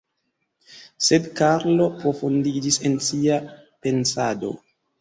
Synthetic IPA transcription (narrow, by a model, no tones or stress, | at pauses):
sedkaɾlo̞pɾo̞fundid͡ʒise̞nsia | pe̞nsado̞̰